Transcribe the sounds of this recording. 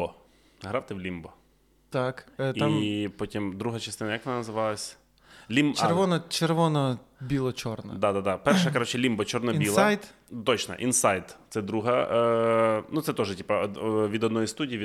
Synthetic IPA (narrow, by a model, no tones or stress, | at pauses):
ɔ | ɦɾɑwt̪ɪwlʲimbɔ | t̪akiampɔtʲimd̪ɾuɦɐt͡ʃɐst̪ɪnɐjɐkʋnnɐzɪʋɑlˠɐsʲ | lʲimt͡ʃɛɾʋɔnɔt͡ʃeɾʋɔnɔbʲilˠɔt͡ʃɔrnɔd̪ad̪ad̪apɛrʃɐkɐɾɔt͡ʃɪlʲimbɔt͡ʃɔrnɔbilˠajd̪t̪ɔt͡ʃnɐ̰ʔinsajd̪t̪sɛd̪ɾuɦɐ | nut̪sɛt̪ɔʒɛtʲipɐʋʲid̪ɔd̪nɔjist̪udʲijiʋʲi